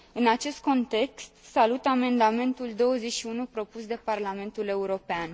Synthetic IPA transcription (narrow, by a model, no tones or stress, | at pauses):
ɨnat͡ʃe̞st̪̚ko̞nt̪e̞kst̪salut̪ame̞nd̪ame̞nt̪uld̪o̞wəze̞t͡ʃʃiunupɾo̞pusd̪e̞parlame̞nt̪ule̞uɾo̞pean